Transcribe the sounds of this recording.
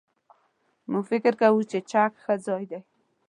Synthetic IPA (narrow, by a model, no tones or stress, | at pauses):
mʊfɪkɪɾkawut͡ʃet͡ʃakxazɔjd̪aj